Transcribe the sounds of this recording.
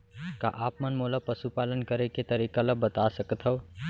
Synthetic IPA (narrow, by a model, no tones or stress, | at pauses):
ka̰ʔapmənmolapəsupalənkəɾeket̪əɾikaləbət̪asəkət̪ʰɦəʊ